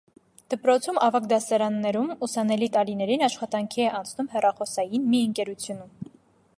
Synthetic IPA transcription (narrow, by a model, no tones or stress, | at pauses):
d̪̥əpɾɔt͡sʰumɑvɑkd̪ɑsɑɾɑnːɛɾumusɑnɛlit̪ɑlinɛɾinɑʃχɑt̪ɑŋkʰiɛʔɑnt͡sʰnumhɛrɑχɔsɑjinmiəŋkɛɾut͡sʰjunum